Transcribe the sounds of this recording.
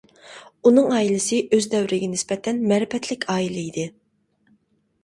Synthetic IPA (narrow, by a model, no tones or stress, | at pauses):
unɨŋɑːilɪsɨʔøzd̪ɛwɾɪɡʲɛnɪspɛt̪ʰɛnmɛɾɪpɛt̪ʰlɪkʲʰɑːilɛid̪ɪ